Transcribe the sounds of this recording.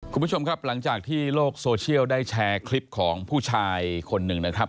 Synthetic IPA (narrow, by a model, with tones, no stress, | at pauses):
kʰu˧nbu˥˩t͡ɕʰo˧mkʰɾa˦˥p̚la˩˦ŋt͡ɕaː˨˩k̚t̪ʰiː˥˩loː˥˩k̚soː˧t͡ɕʰi˥˩əwdaː˥˩jt͡ɕʰɛː˧kʰli˦˥p̚kʰɔː˩˦ŋpʰuː˥˩t͡ɕʰaː˧jkʰo˧nːɯ˨˩ŋna˦˥kʰɾa˦˥p̚